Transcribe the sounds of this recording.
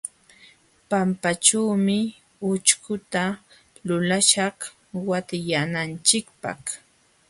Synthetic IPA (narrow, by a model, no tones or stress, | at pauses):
pampat͡ʃaːmɪ | ʊt͡ʃkʊt̪a | lʊlaʃɑχ | wat̪ɪjanant͡ʃɪkpɑ̰χ